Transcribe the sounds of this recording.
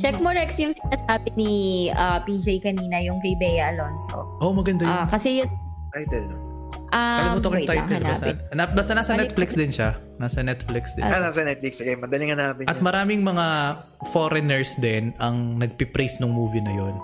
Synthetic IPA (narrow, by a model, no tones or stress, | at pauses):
t͡ʃɛk̚moɹɛksjʊŋsinɐsaːbɪniʔɐpid͡ʒejkɐniːnɐjʊŋkɐjbɛjɐɐlonso̰ʔomɐɡɐnd̪ajʊnkɐsɛjʊ | t̪ajt̪ɛl | ʔɐɐlut̪okjt̪aj̪ɛlbast̪nabaːst̪ɐnaːsɐnɛt̪̚flɪksd̪ɪnʃa | naːsɐnɛt̪flɪksd̪ɪnasɐnɛt̪̚flɪksɐɡajmɐnd̪ɐlɪŋɐnːaːmɪnʔɐt̪̚mɐɾaːmɪŋmɐŋa | foɾɛnɛɹsd̪ɛnɐŋnɐɡ̚pɪpɾejsnʊŋmuːvinɐjo̞n